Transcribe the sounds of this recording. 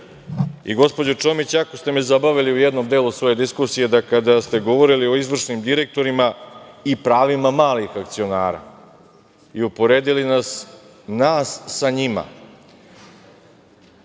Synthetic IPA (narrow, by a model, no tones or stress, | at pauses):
ḭɡo̞spo̞d͡ʑot͡ʃo̞mit͡ɕako̞st̪e̞mezabaʋiliujed̪no̞md̪eːlˠusʋo̞je̞d̪iskusije̞d̪akad̪ast̪e̞ɡo̞ʋo̞ɾilio̞izʋr̩ʂnimd̪iɾe̞k̚t̪o̞ɾimaipɾaːʋimamaːlixakt̪sio̞naːɾa̰ | iupo̞ɾeːd̪ilinas | naːsːaɲima̰